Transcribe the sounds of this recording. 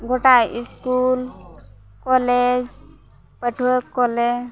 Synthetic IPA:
ɡoʈajʔiskul | kɔled͡ʒ | pəʈʰukːɔle

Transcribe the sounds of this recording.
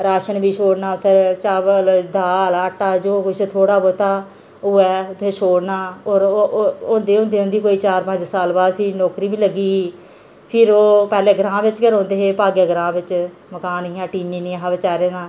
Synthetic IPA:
ɾaːʃənbiːʃoːɽnaːʊt̪ʰːet͡ʃaːbəld̪aːlaːʈːaːd͡ʒoːkʊt͡ʃʰːt̪ʰoːɽaːbot̪aː | oːɛːʊt̪ʰːeːʃoːɽnaːoːɾõːnd̪eːõːnd̪eːɦʊ̃nd̪iːkoːiːt͡ʃaːɾpə̃ɲd͡ʒsaːlbaːd̪pʰɪnoːkɾiːbiːləɡiːiː | pʰɪɾoːpɛːleːɡɾãːbɪt͡ʃkəɾõːnd̪eːɦeːpaːɡeːɡɾãːbɪt͡ʃ | məkaːniːãːʈiːniːnĩːãɦaːʋɪt͡ʃaːɾeːnãː

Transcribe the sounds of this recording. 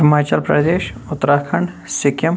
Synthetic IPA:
ɐmaːt͡ʃəlpɾɐ̰d̪eːʃʊt̪ːɾaːkʰəɳɖ | sɪkjəm

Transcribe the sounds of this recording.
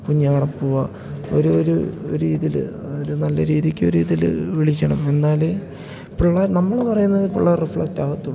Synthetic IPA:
kuɲːɐʋɐɽɐpːuʋɐ | o̰ɾuoɾuo̰ɾiːðil̰ | oɾunɐlːɐɾiːðikʲːoɾiːðil̰ʋiɭikʲːɐɳɐme̞nːaːle | piɭːɐnɐmːɐɭpɐrɐjunːɐðɨpiɭːɐrifɭɐk̚taːʋɐt̪ːuɭ

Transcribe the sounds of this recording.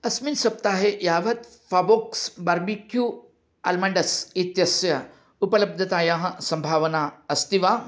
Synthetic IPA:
ɐsminsɐp̚t̪aɦejaʋɐt̪ | faboksbaɾmikʰju | a̰lmaɳɖəsit̪jɐsjɐ | upələb̚d̪ʱɐt̪ajãɦsɐmbʱaʋnaəst̪iʋa

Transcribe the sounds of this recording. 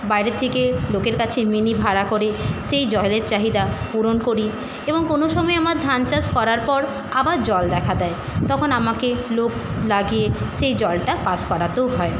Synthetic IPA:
bajɾet̪ʰːekelokeɾkat͡ɕʰeminibʱaɾakoɾeʃejd͡ʑɔeleɾt͡ɕaɦid̪apuɾonkoɾi | eboŋkonoʃɔmɔeamaɾd̪ʱant͡ɕaskɔɾaɾpɔɾ | abaɾd͡ʑɔld̪ɛkʰad̪ɛet̪ɔkʰonamakeloklaɡijeʃejd͡ʑɔlʈapaskɔɾat̪oɦɔe

